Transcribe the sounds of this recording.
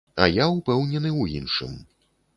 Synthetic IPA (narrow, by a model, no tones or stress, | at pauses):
ɐ̰jaupɛwnʲɛnɨwjinʂɨ̰m